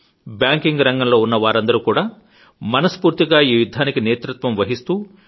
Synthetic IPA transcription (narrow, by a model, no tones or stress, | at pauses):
bjaːŋkiŋɡɾɐŋɡɐmlo̞ːunːɐʋaːɾɐnd̪ɐɾukuːɽaː | mɐnɐspuːɾt̪iɡaːiːʋid̪ʱːaːnikineːt̪ɾut̪ʋɐmʋɐɦist̪uː